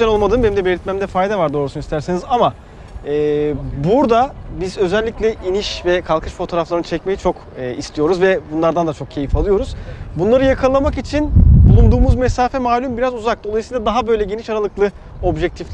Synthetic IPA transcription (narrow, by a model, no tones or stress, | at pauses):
ɛno̞lˠmad̪ɯːmbenimd̪ɛbeɾit̪mæmd̪ɛfajd̪avaɾd̪o̞ːɾusunist̪ʰæɾsenizama | ɛːbuɾd̪abizø̞zɛlʲːiclʲɛʔiniʃvɛkʰalˠkʰɯʃfo̞t̪ʰo̞ːɾaflˠaɾɯnt͡ʃʰɛcme̞jit͡ʃʰo̞kː | ist̪ʰʲijo̞ɾuzvɛbunlˠaɾd̪and̪at͡ʃʰo̞k̚cʰe̞jifalˠɯjo̞ɾuz̥bunlˠaɾɯjakʰalˠamakit͡ʃʰinbulˠund̪uːmuzmɛsaːfɛmaːlʲymbiɾazuzak̚d̪o̞lˠajisɯjlˠad̪aɦabø̞jlʲɛɟeniʃaɾalˠɯklˠɯ | o̞bʒɛc̚t̪ʰiflʲ